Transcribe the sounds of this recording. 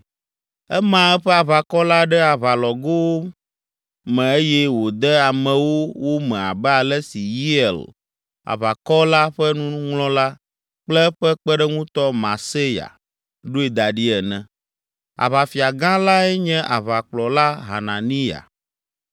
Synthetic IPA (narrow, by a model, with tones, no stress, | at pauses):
ɛ˦mã˨ɛ˦ɸɛ˦a˨βa˨kɔ˦la˦ɖɛ˦a˨βa˨lɔ˨ɡo˦wo˦ | mɛ̃˨e˦jɛ˦wo˨d̪ɛ˦a˨mɛ̃˨wo˦wo˦mɛ̃˨a̰˨bɛ˦a˨lɛ˦si˨ji˦ɛ˨l | a̰˨βa˨kɔ˦la˦ɸɛ˦nũ˦ŋlɔ̃˦la˦ | k͡plɛ˦ɸɛ˦k͡pɛ˦ɖɛ˦ŋũ˦t̪ɔ˦mã˨se˦ja̰˨ | ɖo˦e˨d̪a˨ɖi˦ɛ˨nɛ̃˨ | a̰˨βa˨fi˨a˨ɡã˦la˦ɛ˦ɲɛ̃˦ʔa˨βa˨k͡plɔ˨la˦ɦa̰˨nã˨nĩ˦ja̰˨